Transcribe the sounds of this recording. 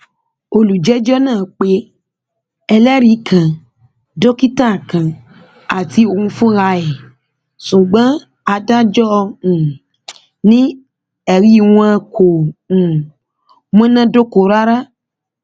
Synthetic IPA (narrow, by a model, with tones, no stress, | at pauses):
o˧lu˨d͡ʒɛ˦d͡ʒɔ˦nãː˦˨k͡pe˨˦ | ɛ˧lɛ˦ɾi˨˦kʰã˨ | do˦ki˦tã˦˨kã˨ | a˨ti˨˦o˨ŋũ˧fũ˦ɾa˧ɛ˨ | sũ˨ɡ͡bã˨˦ | a˧da˦d͡ʒɔ˦˧ũ˨ | nĩ˦ | ɛ˨ɾi˦˨w̃ã˧ko˨ũ˨ | mɔ̃˦nã˦do˦ko˨˦˨ɾa˦ɾa˦